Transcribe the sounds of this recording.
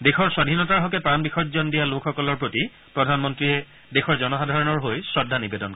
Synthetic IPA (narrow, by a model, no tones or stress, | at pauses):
dexɔɹswadʱinɔtaɹɦɔkɛpɹanbixʰɔtzɔndijalokʰxɔkɔlɔɹpɹoti | pɹɔdʱanmɔntɹiɛ | dexʰɔɹzɔnɔxadʱaɹɔnɔɹɦojsɹɔdʱːanibedɔnk